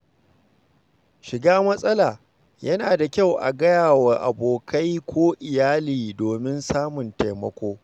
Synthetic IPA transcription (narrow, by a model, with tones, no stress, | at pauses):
ʃɪ˨ɡaː˦mɐ˦sʼɐ˦laː˨ | jɐ˦naː˨da˨kʲa˦˨wʔa̰˨ɡɐ˦jaː˨wɐ˨ʔa̰˨boː˨ka˦jkʷʰoː˦ʔɪ˨jaː˦liː˨doː˨mɪ˦nsaː˦mʊ˨nta˨jmɐ̰˦kʷoː˦